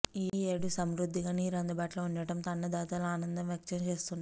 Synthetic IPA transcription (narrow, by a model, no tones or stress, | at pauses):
iːeːɽusɐmɾud̪ʱːiɡaːniːɾɐnd̪ɐbaːʈloːund͡ʒɐʈɐmt̪ɐnːɐd̪aːt̪aːlaːnɐnd̪ɐmʋjɐk̚t͡ʃɐmt͡ʃe̞ːst̪unːa